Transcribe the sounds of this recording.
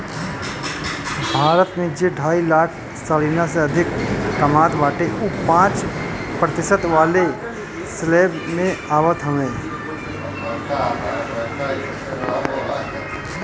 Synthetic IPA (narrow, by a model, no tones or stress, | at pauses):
bʱaːɾət̪mẽd͡ʒeɖʱaːilaːʈʰ | saliːnaseɐd̪ʱɪkːɐmaːt̪ʋaːʈeʔupãːt͡ʃpɾət̪ɪʃət̪ʋaːle | sleːbmẽaːʋət̪ɦɐʋẽː